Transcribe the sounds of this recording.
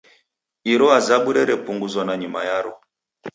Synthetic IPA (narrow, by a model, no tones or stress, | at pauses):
iɾɔazaɓuɾɛɾɛpuŋɡuzɔnaɲima̰jaɾɔ